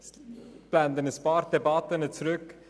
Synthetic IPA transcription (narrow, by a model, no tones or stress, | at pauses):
b̥land̪ənəspɑːɾd̥ɛbɑt̪ənət͡sɾʏk